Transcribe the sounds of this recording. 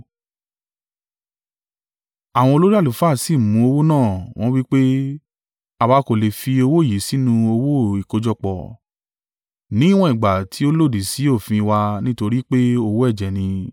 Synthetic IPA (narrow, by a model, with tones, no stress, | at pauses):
a˨w̃ɔ̃˧o˧lo˦ɾi˦a˦˨lu˨fa˦˨si˦˨mũ˨˦o˧wo˦nãː˦˨w̃ɔ̃˦wi˦k͡pe˦ | a˧ba˨˧˦ko˨le˨fi˧o˧wo˦˨ji˨˦si˨˦nũ˧o˧wo˦i˨ko˨˧d͡ʒɔ˧k͡pɔ̰˨ | nĩ˦w̃ɔ̃˧i˨ɡ͡ba˨tʰi˨˦o˦lo˦˨di˨si˨˦o˦˨fĩ˧wa˧nĩ˦to˧ɾi˦k͡pe˦o˧wo˦ɛ˦˨d͡ʒɛ˨nĩ˧